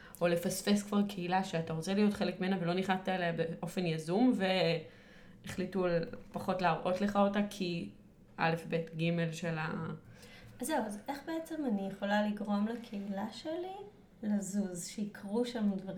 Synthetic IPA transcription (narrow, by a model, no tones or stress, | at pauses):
ʔo̞le̞fasfeskv̥aʁkʰeilaʃeataʁot͡selijo̞tχelekmienavelo̞niχat̪aelebeʔo̞fe̞njazumve̞ | eχlitupaχo̞tlaːʁʔo̞tleχaotakʰi | ʔa̰le̞fbe̞tɡime̞lʃe̞la | azeuaze̞χbe̞et͡semanijeχo̞laliɡʁo̞mlakʰeilaʃeli | lazuzʃeikʰʁuʃamdvaʁi